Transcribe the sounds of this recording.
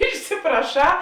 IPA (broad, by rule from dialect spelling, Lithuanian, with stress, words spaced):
ɪʃʲsʲɪprɐˈʃɑː